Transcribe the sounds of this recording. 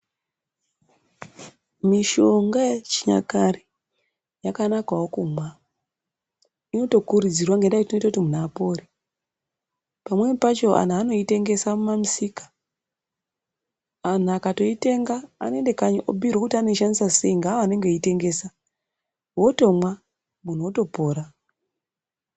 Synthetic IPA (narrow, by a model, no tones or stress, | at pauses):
miʃo̞ŋɡat͡ʃi̥ɲa̰kari | jakanakawokumwa | ino̞to̞kuɾid͡zirwaŋɡendaitino̞itakutimunaːpo̞ri | pamwe̞pat͡ʃo̞ʔa̰n̤ano̞ite̞ŋɡe̞samumamusikḁ | an̤uakato̞ite̞ŋɡa̰ːnoende̞kaɲʔo̰bʱiɾwokutano̞iʃandisase̞iŋɡaoane̞ŋɡeite̞ŋɡe̞ːsa | wo̞to̞mwa | mun̤uwoto̞po̞ːɾa